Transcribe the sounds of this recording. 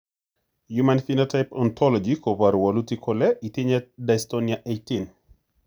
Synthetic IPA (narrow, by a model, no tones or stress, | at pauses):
jumanfinotajpɔnt̪ʰɔlɔd͡ʒikopaɾwalutikʰɔlɛʔit̪iɲɛdajstoniaʔejtin